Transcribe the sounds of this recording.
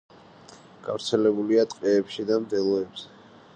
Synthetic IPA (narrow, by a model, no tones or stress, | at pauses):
ɡ̥a̰vɾt̪sʰɛlɛbuliat̪ʼqʼɛːpʃid̪amd̪ɛlˠɔɛbz̥ɛ